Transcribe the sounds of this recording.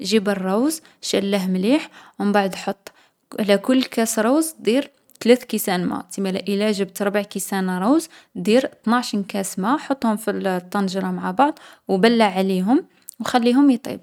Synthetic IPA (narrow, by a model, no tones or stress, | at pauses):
ʒibərˤːɑwz | ʃælːəɦmliħwəmbaʕd̪ˤħot̪ˤː | ʕlækʊlːkæsɾˤɑwzd̪iɾ | t̪læt̪kisænmæ̰t̪imaʕlæʔəlæʒəbt̪ɾˤbaʕkisænɾˤɑwzd̪iɾt̪nɑʕʃinkæsmaħot̪ːˤhʊmfit̪ˤːɑnʒɾˤɑmaʕabɑʕd̪ˤ | wbælːaʕaliɦʊm | wxælːiɦʊmjit̪ˤḭb̚